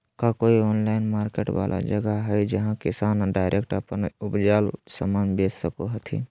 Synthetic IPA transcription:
kakoːioːnlaːɪnmaːɾkeːʈwa̰ːlʔa̰d͡ʒəɡaɦɛjd͡ʒəɦãkɪsaːnɖaːɪɾʔek̚ʈəpənʊpd͡ʒaːlsəmaːnbeːssəkoɦət̪ʰḭn

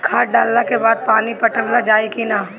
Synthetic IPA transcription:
kʰaːʈ̚ɖaːlːakebaːd̪̚paːnipɐʈə̃mlad͡ʒaːikinaː

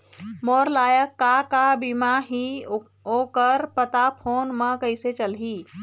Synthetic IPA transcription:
moːɾlaːjəkːakabimaɦioːkəɾpət̪apʰoːnmə̃kəɪset͡ʃəlɦiː

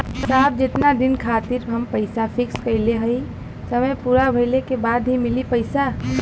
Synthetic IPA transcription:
saːb̚d͡ʒɪt̪nad̪ɪnkʰaːt̪ɪɾɦɐmpɐɪsafʰɪkskɐɪleɦɐi | sɐməjpuːɾabʱɐɪlekebaːd̪ɦimɪlipɐɪsa

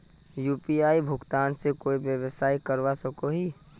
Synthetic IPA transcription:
juːpiaːibʱʊkt̪aːnsekoːibjəʋəsaːikəɾʋasəkoɦi

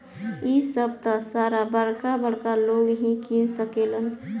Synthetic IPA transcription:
isəbt̪əsaːɾabəɽkabəɽkaloːɡɦĩkinsəkelən

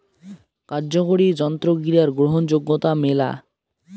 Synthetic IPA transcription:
kaɾd͡ʑokoɽid͡ʑɔnt̪ɾoɡɾiaɾɡɾoɦond͡ʑoɡːot̪amela̰

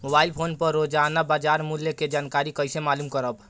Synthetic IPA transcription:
mobaːilpʰoːnpəɾːod͡ʒanabad͡ʒaɾmuljəked͡ʒaːnkaɾikəɪsemaːlumkəɾəb

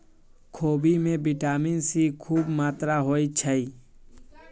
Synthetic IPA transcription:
kʰoːbimẽbɪʈaːminsikʰuːbmaːt̪ɾaɦoːit͡ʃʰəi

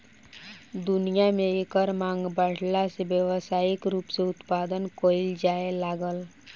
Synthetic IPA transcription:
d̪ʊnijamẽekəɾmãːŋɡbəɽ̤lasebjəʋsaːikɾuːpseʊt̪paːd̪ənkold͡ʒaːelaːɡəl

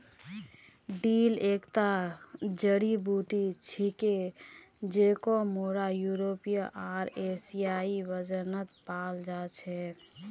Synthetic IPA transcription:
ɖilekt̪ad͡ʒəɽibuʈit͡ʃʰike | d͡ʒekomoɾajuɾopijə̃ʔaɾesijaiʋəd͡ʒənət̪pald͡ʒat͡ʃʰɛ

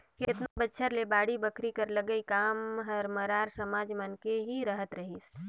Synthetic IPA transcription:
kɪɪt̪nabətːʃʰəɾlebaːɽibəkʰɾikɐɾlɐɡəikaːmɦɐɾmɐɾaːɾsɐmaːd͡ʒmənkeɦiɾɐɦət̪ɾɐɦiːs

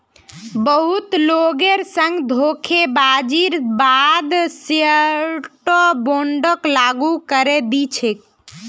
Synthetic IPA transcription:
bəɦut̪loɡeɾsə̃ŋɡd̪ʱokʰebad͡ʒiɾbad̪sjəʈɔboɳɖəklaɡukəɾed̪it͡ʃʰek

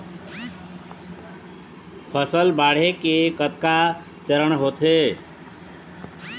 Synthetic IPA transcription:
pʰəsəlbaɽ̤ekekət̪ka | t͡ʃəɾəɳɦot̪ʰe

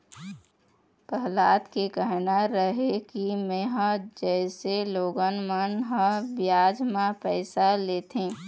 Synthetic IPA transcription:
pəɦlaːd̪kekəɦnaɾəɦekimẽɦəd͡ʒɛːseloːɡənmənɦə̃bjaːd͡ʒmãpɛɪsaleːt̪ʰẽː

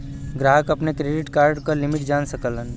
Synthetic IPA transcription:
ɡɾaːɦəkɐpnekɾeɖɪʈkaːɾɖkalimiʈd͡ʒaːnsəkələn

